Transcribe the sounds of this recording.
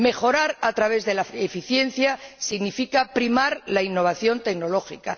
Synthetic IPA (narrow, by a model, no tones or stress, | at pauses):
me̞xo̞ɾaɾat̪ɾaβ̞e̞zðe̞laefiθje̞n̟θjasiɣnifikapɾimaɾlainːo̞β̞aθjo̞nt̪e̞kno̞lo̞xika